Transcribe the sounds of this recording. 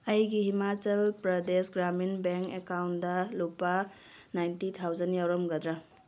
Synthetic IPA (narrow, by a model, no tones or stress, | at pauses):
ɐjɡihimat͡ʃɐlpɾɐdesɡɾaminbeŋkekawndɐlupa | najntit̪ʰawzɐnjawɾɔmɡɐd̪ɾa